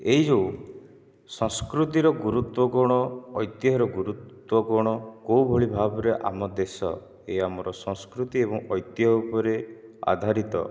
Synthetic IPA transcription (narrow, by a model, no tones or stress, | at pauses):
eɦid͡ʒo | sɔ̃ŋskɾut̪iɾɔɡuɾut̪wɔɡɔɽ̃ɔːjt̪jɦɔɾɔɡuɾut̪ | wɔɡɔɽ̃ɔkowbʱoɭibʱabɔɾeʔa̰mɔd̪esɔ̰ | eamɔɾɔsɔ̃ŋskɾut̪iebɔŋɔjt̪jɔupɔɾea̰d̪ʱaɾit̪ɔ̰